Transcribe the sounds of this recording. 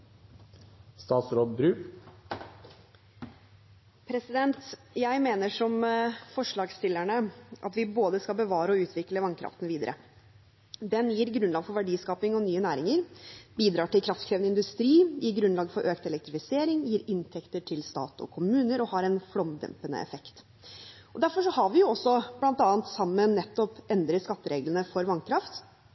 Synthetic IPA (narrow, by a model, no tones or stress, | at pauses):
st̪ɑːt̪sɾoːd̪bɾʉː | pʰɾɛsɪd̪ɛnt̪jæɪmeːnəʂɔmfɔʂɭɑːɡst̪ɪlːæɳəʔɑ̰t̪ʋɪboːd̪əskɑlbəʋɑːɾəɔʉːt̪ʰʋɪkləʋɑŋkʰɾɑ̰ft̪ənʋiːd̪ə̰ɾʔə̰ | d̪ɛnjiːɾɡɾʉnlɑːɡfɔɾʋæɖiːskɑːpɪŋɔnyːənæːɾɪŋəɾbiːd̪ɾɑːʈɪlkʰɾɑft̪kʰɾeːʋnəɪnd̪ʉst̪ɾiːjiːɾɡɾʉnlɑːɡfɔɾʔøːkt̪ɛlɛkt̪ɾɪfɪseːɾɪŋjiːɾɪnt̪ʰɛkt̪əʈʰɪlst̪ɑ̰ːt̪ɔ̰kʰʊmʉːnəɾɔhɑɾɛnflɔmd̪ɛ̰mpənə̰ɛ̰fɛkt̪ | ɔd̪æɾfɔʂɔhɑɾʋɪjʊɔsːɔb̥lɑnt̪ɑːnt̪sɑmːənːɛt̪ːɔpɛnd̪ɾəskɑt̪ːəɾeːɡlənəfɔɾʋɑnkʰɾɑft̪